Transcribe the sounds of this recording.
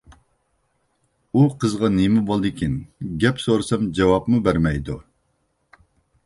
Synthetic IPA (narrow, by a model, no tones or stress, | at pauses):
uqʰəzʁɑnemɪbolˠd̪ɨkʲʰinɡʲɛpsoɾɨsɑmd͡ʒɛwɑpmubæɾmɛjd̪u